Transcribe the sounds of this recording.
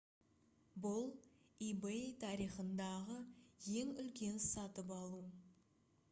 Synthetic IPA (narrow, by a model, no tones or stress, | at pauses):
bʊlˠibet̪ʰɑɾijχənd̪ɑʁəje̞ŋʏlkʲe̞nsɑt̪əp̬ɑlˠu